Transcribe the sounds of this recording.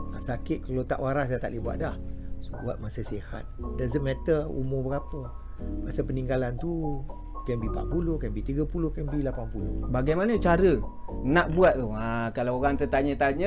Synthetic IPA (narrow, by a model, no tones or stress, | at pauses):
asakɪt̪̚kalot̪a̰ʔwaɾassat̪aʔlibua̰ʔ̪̚dahsobua̰t̪̚masəsiha̰t̪̚dazətmɛt̪ərṵmʊhbəɡapə | basapəniŋɡalant̪u | kɛmbipa̰ʔ̪̚pulohkɛmbit̪iɡapulohkɛmbilapampulohbaɡajmanət͡ʃaɾənaʔbuat̪̚t̪uakalawoɣaŋt̪ət̪aɲət̪aɲə